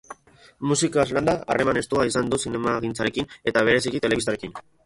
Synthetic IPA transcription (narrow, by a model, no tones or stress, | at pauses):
musikazland̪aa̰re̞mane̞st̪uaisand̪usine̞maɣint͡saɾe̞kine̞t̪aβ̞e̞ɾe̞sikit̪e̞le̞ist̪aɾe̞kin